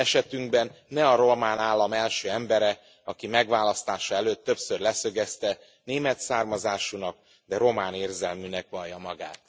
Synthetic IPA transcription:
ɛʃɛt̪yŋɡbɛnːɛɒɾo̞maːnaːlːɒmɛlʃøːɛmbɛɾɛ | ɒkimɛɡʋaːlɒst̪aːʃɒɛløːt̪ːø̞psørlɛsø̞ɡɛst̪ɛ | neːmɛt̪saːrmɒzaːʃunɒk̚ | d̪ɛɾo̞maːneːrzɛlmynɛkʋɒljɒmɒɡaːt̪

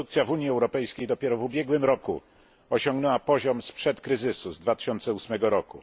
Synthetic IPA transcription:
ukt̪sʲjavuɲjiɛwɾɔpɛjskʲejd̪ɔpʲjɛɾɔvubʲjɛɡwɘmɾɔku | ɔɕɔŋɡnɛwapɔʑɔmspʂɛt̪kɾɘzɘsuzd̪vat̪ɘ̥ɕɔnt̪sɛusmɛɡɔɾɔku

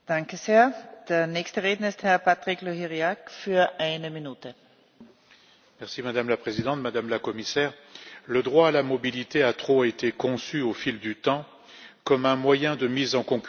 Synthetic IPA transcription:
d̥ãŋkəzeːɐd̪̥eːɐnɛçstəʁeːdn̩ɪsthɛɐpat̪ʁikloɦiʁiakfyɐʔaɪnəminuːt̪ə | mɛʁsimad̪amlapχezid̪ɑ̃t̪mad̪amlakɔmisɛːʁləd̪ʁwaːlamɔbilit̪eat̪χoet̪ekɔ̃syofild̪yt̪ɑ̃ | kɔmɛ̃mwajɛ̃d̪əmizɑ̃kɔ̃k

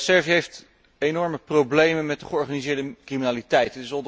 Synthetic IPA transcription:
sɛɹviɦejft | ejnɔɹməprowblejmənmɛt̚dəχəɔɹχaːnizɪːɹdəkriminaːlitɛjtətɪsɔ

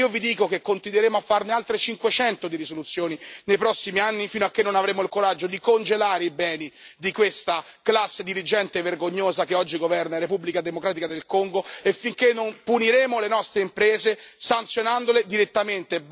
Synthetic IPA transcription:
iːovid̪iːkokekːont̪id̪weɾeːmoafːarnealt̪ɾet͡ʃiŋkwet͡ʃɛnt̪od̪iɾisolut̪sːjoːninejpɾɔsːimianːifinoakːenːonavɾeːmoilkoɾad͡ʒːod̪ikond͡ʒelaːɾeibɛːnid̪ikwest̪a | klasːed̪iɾid͡ʒɛnt̪everɡoɲːoːzakeɔd͡ʒːiɡovɛrnaɾepubːlikad̪emokɾaːt̪ikad̪elkoŋɡoefːiŋkenːompuniɾeːmolenɔst̪ɾeimpɾeːzesant̪sjonand̪oled̪iɾet̪ːament̪e

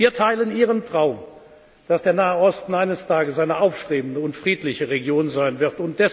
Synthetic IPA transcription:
iːɐtʰaɪləniːʁ̞əntʁ̥aʊm | d̥asd̥eːɐnaːəʔɔstn̩ʔaɪnəstʰaːɡəsaɪnəʔaʊfʃtʁ̥eːbn̩dəʊntfʁ̥iːtlɪçəʁeɡjoːnzaɪnvɪʁtʊnt̚d̥ɛs

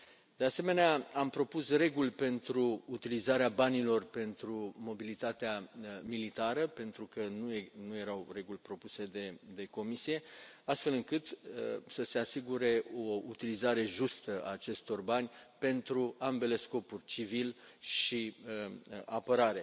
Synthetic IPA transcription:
d̪̥e̞ase̞me̞neaampɾo̞pusre̞ɡulʲpe̞nt̪ɾuːt̪ilizaɾeabanilo̞rpe̞nt̪ɾumo̞bilit̪at̪eamilit̪aɾəpe̞nt̪ɾukənuenuje̞ɾawre̞ɡulʲpɾo̞puse̞d̪e̞d̪e̞ko̞misije̞ast̪fe̞lɨŋkɨt̪əsəse̞asiɡuɾe̞o̞ut̪ilizaɾe̞ʒust̪əa̰ːt͡ʃe̞st̪o̞rbanʲpe̞nt̪ɾuambe̞le̞sko̞purʲt͡ʃivil | ʃiəa̰pəɾaɾe̞

